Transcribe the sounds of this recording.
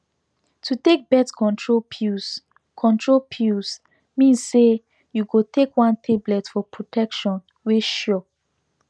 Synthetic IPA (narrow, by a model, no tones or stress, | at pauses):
tʰutek̚bɛtkʰɔ̃ntɹopus | kʰɔ̃ntʰɹolpʰjus | mĩnsse | juɡotʰekwãntʰeblɛtfɔpɹotʰɛkʃɔ̃n | weʃɔ